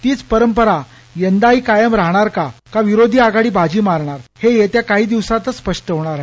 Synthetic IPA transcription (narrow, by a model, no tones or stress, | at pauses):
t̪iːt͡spəɾəmpəɾa | jənd̪aɦiːkajəmɾaɦɳaɾkakaʋiɾod̪ʱiːaɡaɽiːbad͡ʑiːmaɾɳaɾhejet̪jakaɦiːd̪iʋsat̪əspəʂʈəɦoɽ̃aɾaɦ